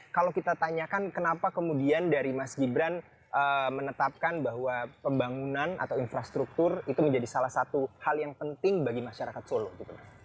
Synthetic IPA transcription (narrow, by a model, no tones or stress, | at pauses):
kalawkit̪at̪aɲakankənapakəmudiandaɾimasɡibɾan | ʔəmənət̪ap̚kanbaɦwapəmbaŋunana̰t̪awinfɾast̪ɾuk̚t̪ʊrit̪uməɲd͡ʒadisalahsat̪uhaljaŋpənt̪ɪŋbaɡimaʃaɾakat̪solɔɡit̪ua